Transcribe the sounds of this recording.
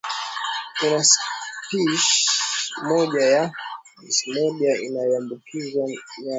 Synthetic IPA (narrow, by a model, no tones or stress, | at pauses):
kunaspiʃ | mɔʄaja | simɔɗiaḭnajɔambukizwaa